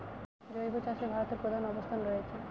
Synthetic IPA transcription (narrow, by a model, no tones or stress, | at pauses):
d͡ʑojbot͡ɕaʃebʱaɾot̪eɾpɾod̪ʱanɔbost̪ʰanɾojet͡ɕʰe